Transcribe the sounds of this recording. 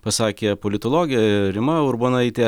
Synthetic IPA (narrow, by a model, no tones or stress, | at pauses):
pɐsɑːkʲeːpolʲɪt̪oːlˠoːɡʲɪjɛɾʲɪmɐʊɾboːnɐɪt̪ʲeː